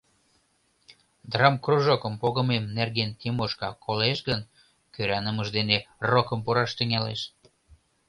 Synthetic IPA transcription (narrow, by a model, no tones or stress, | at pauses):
d̪rɑmkruʒokəmpoɣə̆memnerɣent̪imoʃkɑkʰoleʃɣən | køɾɑnəməʒd̪enerokəmpuɾɑʃt̪əŋɑlḛʃ